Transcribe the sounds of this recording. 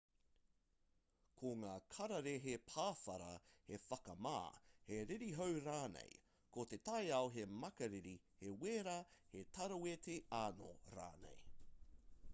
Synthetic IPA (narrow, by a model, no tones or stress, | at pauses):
kʰoŋaːkʰɐɾɐɾeɦepʰaːfɐɾɐ̰hefɐkɐma̰ːheɾiɾiɦowɾaːnḛj | kot̪et̪ɐjaoɦemɐkɐɾiɾi | heweːɾaːhet̪ʰɐɾɐwet̪ʰeaːno̰ɾa̰ːnḛj